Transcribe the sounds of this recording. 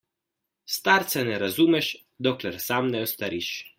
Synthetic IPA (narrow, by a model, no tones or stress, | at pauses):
st̪aːɾt̪sɛnɛɾazuːmɛʃ | d̪oklɛɾsamnɛɔst̪aɾiʃ